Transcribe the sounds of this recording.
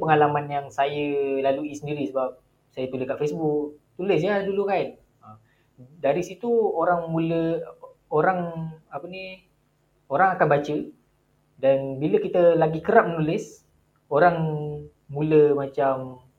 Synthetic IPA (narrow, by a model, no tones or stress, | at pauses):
pəŋalamanjaŋsajəlaluisəndiɾisəbap̚ | sajəpiləkaʔfesbʊkt̪ulɪs̬jadulukan̚ | ə | daɾisit̪uoɾaŋmulə | oɾaŋapəni | oɾaŋakanbat͡ʃə | danbiləkit̪əlaɡikəɾap̚mənulɪs | oɾaŋ | muləmat͡ʃam